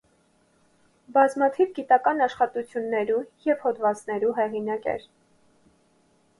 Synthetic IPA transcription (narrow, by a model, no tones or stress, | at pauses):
bɑzmɑt̪ʰivɡit̪ɑkɑnɑʃχɑt̪ut͡sʰjunːɛɾujɛv̥hɔd̪vɑt͡snɛɾuɦɛʁinɑkɛ̰ɾ